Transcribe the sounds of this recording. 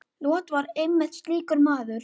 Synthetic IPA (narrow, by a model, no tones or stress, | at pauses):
lɔːt̪vaɾejmːɪ̥t̪st̪liːkʏɾmaːðʏɾ̥